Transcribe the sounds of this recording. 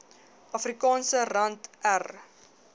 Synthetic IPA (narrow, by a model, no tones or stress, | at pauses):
ɐfrikɑːnsərɐntær